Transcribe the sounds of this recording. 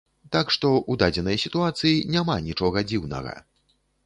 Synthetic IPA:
t̪akʂt̪ɔʔud̪ad͡zʲɛnɐjsʲit̪uat̪sɨjinʲamanʲit͡ʂɔɣɐd͡zʲiwnɐ̰ɣɐ̰

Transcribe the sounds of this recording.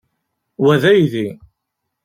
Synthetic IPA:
wæðæjði

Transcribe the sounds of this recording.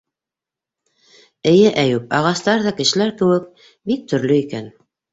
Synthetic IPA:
ɘ̆jɘʔæjʉp̚ɑʁɑst̪ɑɾðɑkɘ̆ʃɘ̆læɾkɘ̆wɘk | bik̚t̪ɵ̆ɾlɵikæn

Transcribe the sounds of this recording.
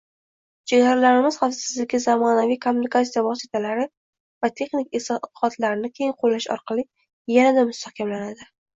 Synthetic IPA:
t͡ʃʰeɡaɾalaɾɪmɪz̥χafsɪzlɪɡʲɪzamɒnavijkʰomːunikʰat̪sijavɒsit̪ʰalaɾɪ | vat̪ʰe̞χnɪkʲɪsq̪ʰɨ̥qɒt̪ʰlaɾɪnɪkʲʰe̞jɪŋqʰolːaʃɒ̰ɾqʰɑlˠɪ | janad̪amʊst̪ahkʲʰamlanad̪ɪ

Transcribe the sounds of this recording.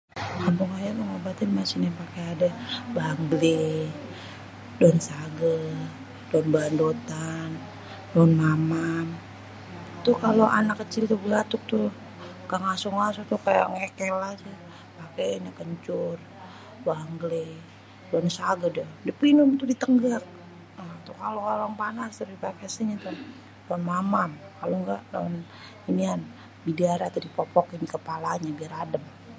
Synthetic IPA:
hambuŋajaməŋobat̪ɪnmasinapakeadabaaŋɡli | dɔnsaɡə | dɔnbaandot̪an | dɔnmamam | t̪ukaloʔanakːət͡ʃɪlt̪uɡlat̪ʊk̚t̪u | kaŋasʊŋasʊŋt̪ukaja̰ŋekɛlahsɪ | pakeɲakəɲt͡ʃʊr | baŋɡle | doansaɡadɛdipinumt̪udit̪əŋɡak̚ | ət̪ukalokalaŋpanast̪uipakesiɲat̪u | danmamamkaloŋɡa̰ʔdon | inian | bidaɾat̪udipɔpɔkinikəpalaɲabiaɾadəm

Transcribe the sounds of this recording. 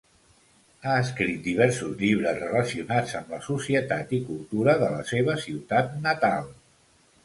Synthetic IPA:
aəskɾit̪̚d̪iβ̞ɛɾsuzʎiβ̞ɾəzrələsiunad͡zəmləsusiət̪at̪ikulˠt̪uɾəðələseβ̞əsiwt̪at̪nət̪alˠ

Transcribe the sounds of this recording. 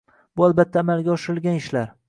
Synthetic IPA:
bʊalbat̪ʰːaːmalɡʲaɒʃɪɾɪlˠɡʲanɪʃlaɾ

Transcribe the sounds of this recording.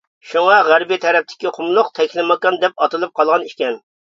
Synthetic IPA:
ʃuŋɑʁæɾbit̪ʰɛɾɛp̚t̪ʰɪ̥kʲiqʰʊmlˠʊqt̪ʰɛkʲʰlɪmɑkɑnd̪ɛp̚ɑt̪ɨlˠɨp̚qʰɑlˠʁɑniʃkʲɛn

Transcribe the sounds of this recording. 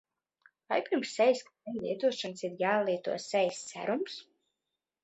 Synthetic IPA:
vajpiɾmsːɛjskɛnlʲˠḭɛt̪uɔʃansiɾjaːlˠiɛt̪ṵɔsɛjssæ̰ɾums

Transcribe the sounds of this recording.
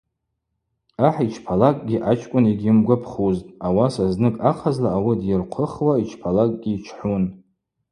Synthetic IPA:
aħit͡ʃʰpʰalakʼɡʲiʔat͡ʃʼkʷʼʊniɡʲɪmɡʷapʰχuztʼawasaznɨkʼaqʰazlaːwidjɪrqʷʰəχwait͡ʃʰpʰalakʼɡʲiːt͡ʃʰħun

